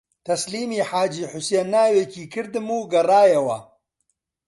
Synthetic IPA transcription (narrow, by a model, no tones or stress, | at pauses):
t̪ɐsliːmiːħaːd͡ʒiːħʊsenːaːweːciːkɨɾd̪ɨmuːɡɐraːjɐwɐ̰